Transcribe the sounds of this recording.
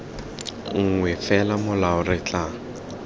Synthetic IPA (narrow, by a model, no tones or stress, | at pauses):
ŋ̩ŋwɛfɛlamʊlaʊrɪt͡ɬʼa